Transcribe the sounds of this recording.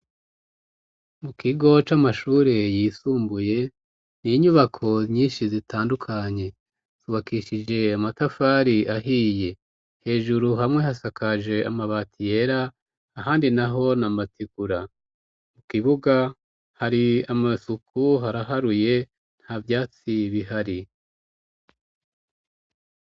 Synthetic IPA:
mukiɡo̞t͡ʃamaʃuːɾe̞jiːsuːmbuje̞ | niɲuβakʰo̞ɲiːnʃizitaːndukʰaɲe̞ | tuβakiʃid͡ʒe̞amatafaːɾiaɦije̞ | he̞ːʒuɾuɦamŋwe̞hasakʰad͡ʒe̞amaβatije̞ɾaː | ɦaːndinaɦo̞namatiɡ̥uɾa | mukiβuɡa | haɾiamasukʰuɦaɾaɦaɾuje̞ | n̥havjaːt͡siβiɦaɾi

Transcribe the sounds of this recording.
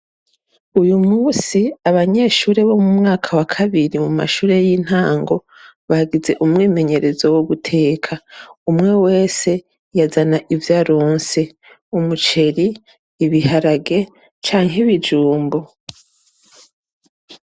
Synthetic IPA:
ujumuːsiaβaɲe̞ʃuːɾe̞βo̞mumŋaːkʰawakʰaβiɾimuma̰ʃuːɾe̞jiːn̥haːŋɡo̞ | βahaɡize̞ʔumŋiːme̞ɲe̞ɾe̞zo̞wuɡutʰe̞ːkʰaumŋe̞we̞ːse̞ | jazanaʔivjaɾoːnse̞ | umut͡ʃe̞ɾiː | βihaɾaɡe̞ | t͡ʃaːŋɦeβid͡ʒuːmbo̞

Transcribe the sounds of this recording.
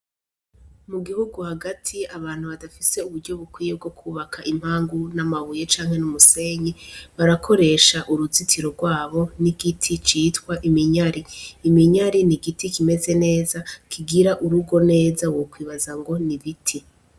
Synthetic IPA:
muɡihuɡuhaɡatʰiaβaːn̥huβadafise̞uβuɾɟo̞βukwiːje̞b̚ɡo̞kʰuːβakʰaʔim̥haːŋɡunamaβuje̞t͡ʃaːŋhe̞numuse̞ɲiβaɾakʰo̞ɾe̞ʃaʔuɾuzitʰiɾo̞ɾɡwaːβo̞niɡ̥itʰit͡ʃiːtkwaʔimiɲaɾiːmiɲaɾiniɡitikime̞ze̞ne̞ːzakʰiɡiɾaʔuɾuɡo̞ne̞ːzawo̞kwiːβazaŋɡo̞niβitʰi

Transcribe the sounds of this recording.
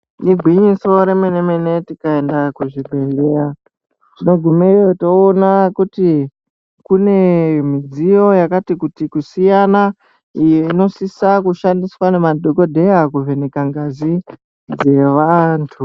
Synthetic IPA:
niɡʱwiɲiso̞ɾemeneme̞ne̞tikae̞ndakuʐibʱeleɾa | tino̞ɡʱumejoto̞ːnakuti | kune̞mid͡zijo̞jakatikutikusijana | ijino̞sisakuʃandiswane̞madʱoko̞dʱe̞jakuve̞nekaŋɡazi | d͡ze̞ʋantʰu

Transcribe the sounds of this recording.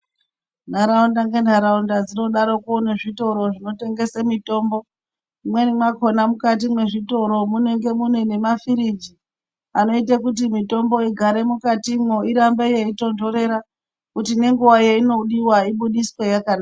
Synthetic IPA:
nd̤aɾaundaŋɡe̞ndaɾaundad͡zino̞ɗaɾo̞kuoneʐito̞ɾo̞ʐino̞te̞ŋɡe̞semito̞ːmbo̞ | mwenemako̞namukat̬imwe̞ʐito̞ɾo̞muneŋɡe̞munwene̞mafiɾid͡ʒi | ano̞itekut̬imito̞mbo̞iɡʱaɾe̞mukatimwo̞iɾambejeito̞ndo̞ɾe̞ɾa | kutine̞ŋɡuwajeino̞ɗiwaiɓuɗiswejakanaa

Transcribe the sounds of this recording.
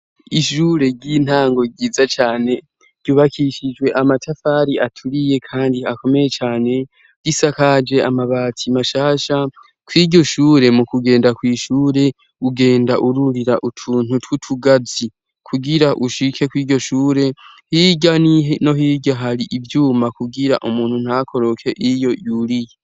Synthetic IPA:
iʃuːɾe̞ɟin̥haːŋɡo̞ɡiːzat͡ʃaːne̞ | ɾɟjuːβakʰiʃid͡ʒwe̞ʔamatʰafaːɾiʔatʰuɾije̞kʰaːndiako̞me̞je̞t͡ʃaːne̞ | d̥isakad͡ʒe̞ʔamaβaːtʰimaʃaːʃa | kwiːɟo̞ʃuːɾe̞mukuɡe̞ːndakwiːʃuːɾe̞ | uɡe̞ːndaʔuɾuɾiɾaʔutʰuːn̥utwutʰuɡazi | kʰuɡiɾaʔuʃikʰe̞kwiːɟo̞ʃuːɾe̞ | hiɟanino̞ɦiɟaɦaɾiʔivjuːmakuɡiɾa̰ʔumuːn̥hun̥hakʰo̞ɾo̞kʰe̞ʔijo̞juɾije

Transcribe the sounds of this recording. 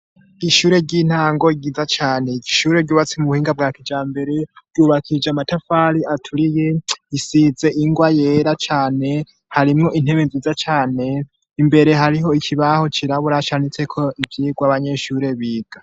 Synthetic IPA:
iʃuːɾe̞ɟin̥haːŋɡoɡiːzat͡ʃaːne̞iʃuːɾe̞ɾɟuːβat͡simuβuhiːŋɡab̚ɡaːkid͡ʒaːmbe̞ɾe̞ɾɟuːβakʰid͡ʒamatafaɾiʔatʰuɾije̞isize̞ʔiŋɡwajeɾat͡ʃaːne̞ | haɾimŋo̞ʔin̥he̞βenziːzat͡ʃaːne̞ | imbe̞ɾe̞ɦaɾiɦo̞icʰiβaho̞t͡ʃiɾaβuɾat͡ʃaːnet͡se̞kʰo̞ʔivjiːɡwaβaɲe̞ʃuɾe̞βiːɡ̥a

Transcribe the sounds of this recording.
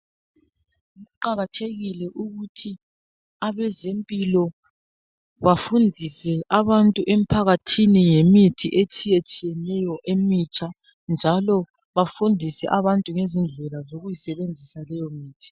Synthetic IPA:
uɣuǃaɣatʰeɣilɛʔuɣutʰi | aβɛzempʼilɔ | βafundʱisɛʔaβantʼuʔem̩pʰaɣatʰinijemitʰiʔet͡ʃʼijet͡ʃʼijɛnɛjɔʔemit͡ʃʰʼa | nd͡ʒʱalɔ | βafundʱisɛ̰ʔaβantʼuŋezind͡ɮʱɛlazoɣujisɛβend͡zʱisalɛjɔmiːtʰi̥

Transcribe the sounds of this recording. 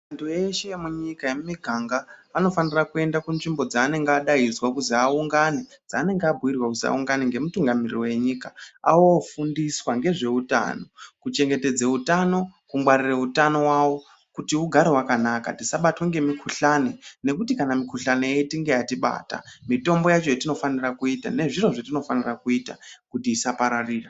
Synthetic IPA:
antʰueʃemuɲikajemumiɡʱaŋɡaːno̞fanirakue̞ndakunʐimbo̞d͡zaːne̞ŋɡeːɗaizwakuziauŋɡaned͡zaːne̞ŋɡeabʱuwirwakuza̰uŋɡaneŋɡe̞mutuŋɡamirirowe̞ɲikaa̰wofundiswaŋɡe̞ʐe̞uta̰no̞kut͡ʃe̞ŋɡe̞te̞d͡zeutano̞kuŋɡwarireutano̞wawo̞ | kutiuɡʱaɾewakanakatisaɓatweŋɡe̞mikʰuɬanene̞kutikanamikuɬaneetiŋɡe̞jatiɓa̰ːta̰mito̞mbo̞jat͡ʃo̞jatino̞fanirakuita̰ne̞ʐiro̞ʐatino̞fanirakuitakutiːsapaɾariːra

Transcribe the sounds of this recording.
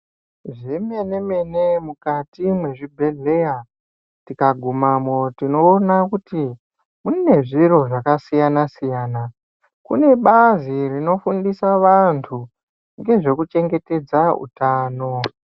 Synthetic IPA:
ʐeme̞ne̞me̞nemukatimwe̞ʐibʱe̞ɮe̞a | tikaɡʱumamo̞tino̞ːnakuti | munine̞ʐiro̞ʐakasijanasijaːna | kṵne̞ɓazirino̞fundisaʋantʰu | ŋɡe̞ʐe̞kut͡ʃe̞ŋɡe̞te̞d͡zaṵtaːno̞

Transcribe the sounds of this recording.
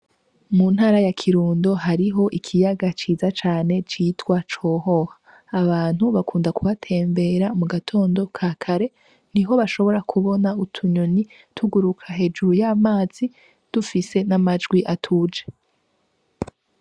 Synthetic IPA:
muːn̥haːɾajakʰiɾuːndo̞ɦaɾiɦo̞ʔikʰijaɡat͡ʃiːzat͡ʃaːne̞t͡ʃiːtwat͡ʃo̞ːɦo̞hḁː | βaːn̥huβakuːndakuβatʰe̞ːmbe̞ɾamuɡatʰo̞ːndo̞kʰaːkʰaɾe̞ | n̥iɦo̞βaʃo̞βo̞ɾakʰuβo̞nautʰuɲoni | tʰuɡuɾukʰaɦe̞d͡ʒuɾujamaːz̥i | d̥ufise̞namad͡ʒɡwiʔatʰud͡ʒe

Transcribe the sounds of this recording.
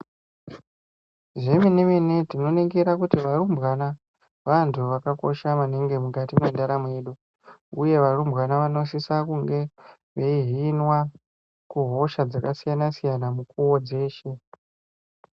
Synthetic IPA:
ʐemineminetino̞neŋɡeɾakutiʋarumbwana | ʋantʰuʋakako̞̰ʃamaneŋɡe̞mukatimwe̞ndaɾameːɗu | uje̞ʋarumbɣanaʋano̞s̬isakuŋɡe̞ | ʋeiɦinwa | kuɦo̞ʃad͡zakasijanasijanamukuwod͡ze̞ːʃe

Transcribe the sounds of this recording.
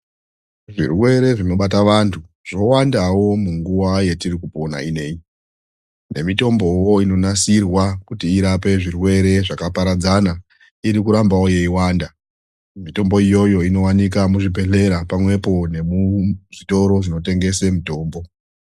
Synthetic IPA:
ʐḭrwe̞ɾe̞ʐino̞ɓataʋantʰu | ʐ̥o̞wandawo̞muŋɡuwaje̞tirikupo̞na̰ine̞i | ne̞mito̞mbo̞jo̞ino̞nasirwakutiːɾape̞ʐirwe̞ɾe̞ʐakapaɾad͡zana | iɾikuɾambawo̞je̞iwaːnda | mito̞mbo̞ijo̞jo̞ino̞wanik̬amuʐibʱe̞ɬe̞ɾapamwe̞po̞ne̞muʐito̞ɾo̞ʐino̞te̞ŋɡe̞se̞mito̞ːmbo̞

